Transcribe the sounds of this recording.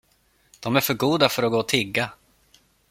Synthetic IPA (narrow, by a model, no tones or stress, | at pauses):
d̪̥ɔmæɾfœɾɡuːd̪afœɾɔɡoːt̪ʰɪɡːa